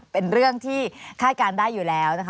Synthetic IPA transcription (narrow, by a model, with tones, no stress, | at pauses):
pe˧nɾɯ˥˩əŋt̪ʰiː˥˩kʰaː˥˩t̪̚kaː˧ndaː˥˩jːuː˨˩lɛː˦˥wna˦˥kʰ